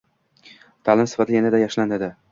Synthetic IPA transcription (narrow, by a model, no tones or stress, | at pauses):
t̪ʰalɪmsɪ̥fat̪ʰɪjanad̪ajɒʃland̪ɪd̪ɪ